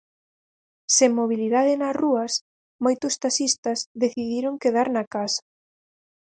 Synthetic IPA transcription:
seŋmoβiliðaðɪnɐsruɐs | mojt̪ʊst̪asist̪ɐzðeθiðiɾoŋkeðaɾnɐkasɐ̥

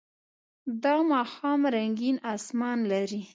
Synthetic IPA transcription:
d̪ɑmɑxɑmɾaŋɡinɑsmɑnlaɾi

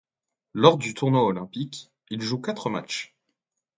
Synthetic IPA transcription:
lɔʁd̪yt̪ʰuʁnwaɔlɛ̃pikʲ | ilʒukat̪χəma̰t͡ʃ

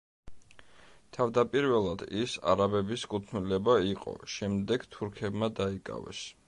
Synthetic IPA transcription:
t̪ʰavd̪apʼiɾvɛlˠad̪̥isa̰ɾabɛbiskʼut̪ʰnilɛbaiqʼɔ̰ʃɛmd̪ɛɡt̪ʰuɾkʰɛbmad̪aikʼa̰vɛ̰s

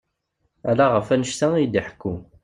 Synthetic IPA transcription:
ælaʁəfænəʃt̪æid̪iħə̥kːu

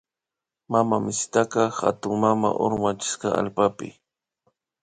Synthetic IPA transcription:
mamamɪst̪akɑxa̰t̪ʊŋmama̰ʔoɾmat͡ʃɪ̥sqɑa̰lpapɪ̰

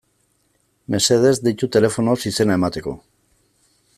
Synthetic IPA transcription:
me̞se̞ðe̞zd̪it̪ut̪e̞le̞fo̞nosise̞nae̞mat̪e̞ko̞̰

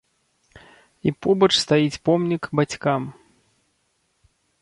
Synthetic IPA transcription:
ipɔbɐt͡ʂst̪ajit͡sʲpɔmnʲikbat͡sʲkam

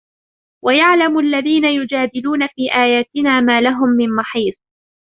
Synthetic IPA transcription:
wʔajaʕlamʔalːaðiːnajʊd͡ʒaːd̪ɪluːnafiːʔaːjaːt̪ɪnaːmaːlaɦʊmːɪmmɑħiːt̪ˤ

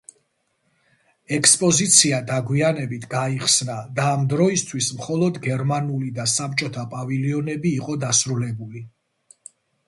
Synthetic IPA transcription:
ɛkʰspʼɔzit̪sʰiad̪aɡwianɛbit̪ʰɡaiχsnad̪aːmd̪ɾɔist̪ʰwismχɔlˠɔd̪ɡɛɾmanulid̪asap̚t͡ʃʼɔt̪ʰapʼaviliɔnɛbiːqʼɔd̪asɾulɛbuli

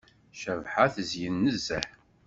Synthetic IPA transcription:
ʃəvħaθəzjənːəzːæ̰ħ

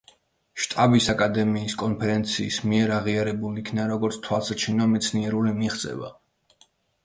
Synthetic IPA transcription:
ʃt̪ʼabisakʼad̪ɛmiːskʼɔnpʰɛɾɛnt̪sʰiːsmiɛɾaʁiaɾɛbulikʰnaɾɔɡɔɾt̪sʰt̪ʰwalˠsat͡ʃʰinɔmɛt̪sʰniɛɾulimiχt̪sʼɛ̰va̰

